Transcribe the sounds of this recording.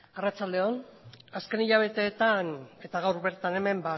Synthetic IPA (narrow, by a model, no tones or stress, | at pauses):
arat͡ʃald̪e̞o̞naske̞niʎaβ̞e̞t̪e̞ːt̪ane̞t̪aɣ̞awɾβe̞ɾt̪ane̞me̞mba